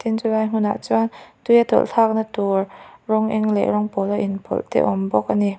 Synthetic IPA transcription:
t̪ʰinzulajŋ̥ʊna̰ʔt͡sɔnt̪ujat̪ɔ̰lɬʰak̚nat̪urrɔŋʔɛŋlɛ̰ʔɾɔŋpɔlaʔinpʰɔ̰lt̪ɛ̰ʔɔmbɔk̚ʔani

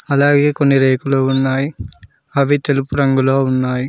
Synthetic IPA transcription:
ɐlaːɡe̞ːkonːiɾeːkuloːunːaːji | ɐʋit̪e̞lupuɾɐŋɡuloːunːaːji

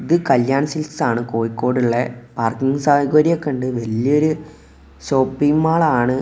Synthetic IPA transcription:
iðɨkɐljaːɳɐsilsaːɳɨko̞ːjikːo̞ːɽuɭːepaːrkiŋɡsaːɐɣɐɾijɐkːɐɳɖɨʋɐlijoɾu | ɕo̞ːpːijmaːɭaːɳɨ

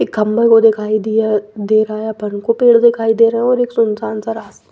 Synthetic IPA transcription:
ɪkɐmbəɾkod̪ɪkʰaːid̪ijad̪eːɾaːjapɐnkopeːɽd̪ɪkʰaːid̪eːɾɐɛ̃ɔːɾeːksʊnsaːnsaɾaːs

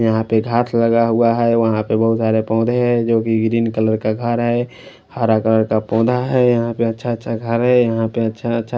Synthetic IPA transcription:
jəɦãpeɡʱaːt̪ʰləɡaɦʊaɦɛʋəɦãpebəɦʊt̪saːɾepɔ̃ːd̪ʱeɦɛ̃d͡ʒoːkiɡɾiːnkələɾkaɡʱəɾɦɛ | haːɾakələɾkapɔ̃ːd̪ʱaɦɛjəɦãpeətːʃʰaətːʃʰaɡʱəɾɦɛjəɦãpeətːʃʰaətːʃʰa

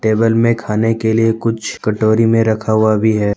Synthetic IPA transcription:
ʈeːbəlmẽkʰaːnekeliekʊt͡ʃʰkɐʈoːɾimẽɾɐkʰaɦʊabʱiɦɛː

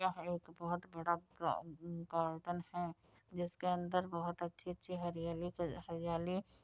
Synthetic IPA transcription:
aeːkbɐɦʊt̪bɐɽapkaːɾʈənhɛ | d͡ʒɪskeɐ̃nd̪əɾbɐɦʊt̪ɐtːʃʰiɐtːʃʰiɦɐɾijaːlihɐɾijaːli

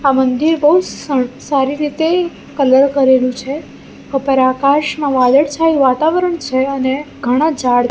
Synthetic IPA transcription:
amənd̪iɾbəɦud͡ʒsaɾiɾit̪e | kələɾkəɾelũt͡ʃʰe | əpəɾakaʃmãʋad̪əɽt͡ʃʰajʋat̪aʋəɾəɳt͡ʃʰeəneɡʱəɽ̃ãd͡ʒaɽ

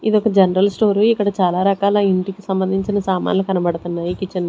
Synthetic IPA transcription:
id̪iɔkɐd͡ʒɐnɐɾɐlsʈo̞ːɾuikːɐɽɐt͡ʃaːlaːɾɐkaːlɐiɳʈikisɐmbɐnd̪ʱiɲt͡ʃinɐsaːma̰ːnlɐukɐnɐbɐɽut̪unːaːjukit͡ʃːɐnːɐ

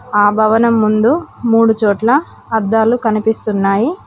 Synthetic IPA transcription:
aːbʱɐʋɐnɐmːund̪umuːɽut͡ʃɔːʈlɐː | d̪ːaːlukɐnipist̪unːaːji

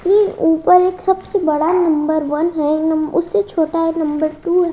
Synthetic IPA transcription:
euːpəɾeːksɐbsebɐɽanɐ̃mbəɾʋɐnɦɛnɐmʊsːet͡ʃʰoːʈaɦɛnɐ̃mbəɾʈuːɦɛ

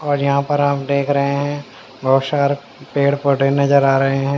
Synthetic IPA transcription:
ɔːɾjɐɦãpɐɾaːpd̪eːkʰɾɐɦeɦɛ̃ | bʱɐɦsaːɾ | peːɽpəʈenɐzəɾaːɾɐɦeɦɛ̃ː

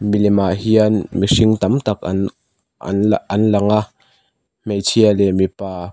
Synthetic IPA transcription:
milɛmaɦianmiʂiŋt̪ɐmt̪ɐk̚ɐ̰ | ɐnlɐŋa | mejt͡sʰialɛmipaː

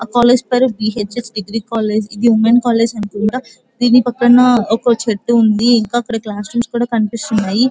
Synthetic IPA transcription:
kaːleːd͡ʒpeːɾubiːɦeːt͡ʃet͡ʃɖiɡɾiːkaːleːd͡ʒid̪iumenkaːle̞ːd͡ʒɐnkuɳʈaː | d̪iːnipɐkːɐɳɐɔkɐt͡ʃeʈːuund̪iːŋkaːkːɐɽɐklaːsʈumskuːɽaːkɐnipist̪unːaːji

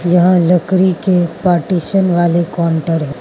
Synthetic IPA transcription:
d͡ʒɐɦãləkɾikepaːɾʈiːʃənʋaːlekɔːɳʈəɾɦɛ

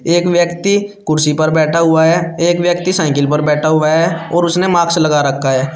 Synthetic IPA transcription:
eːkwjəkt̪ikʊɾsipəɾbɛːʈʰaɦʊaɦɛːeːkwjək̚t̪isaːɪkɪlpəɾbɛːʈʰaɦʊaɦɛːɔːɾʊsnemaːksləɡaɾəkʰːaɦɛː

